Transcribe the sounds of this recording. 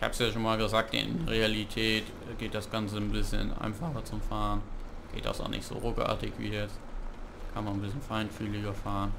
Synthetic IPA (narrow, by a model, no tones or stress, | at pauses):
ɪçha̰ːbəsjaːʃoːnmaːlɡəzaːk̚tɪ̰nʁealitʰɛːtː | ɡ̥eːt̚d̥asɡ̥ant͡sənbɪsçə̰nʔa̰ɪnfaχɐt͡sʊmfaːʁən | ɡ̥ḛːt̚d̥a̰sa̰nʔɪ̰çtz̥o̰ːʁoːkʔa̰ːɐtɪçv̥ḭːjɛt͡stkʰanmann̩bɪsçənfaɪntfyːlɪɡɐfaːʁən